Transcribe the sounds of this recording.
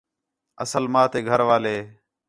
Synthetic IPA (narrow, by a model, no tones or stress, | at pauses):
əsəlmaːt̪eːɡʱəɾʋaːleː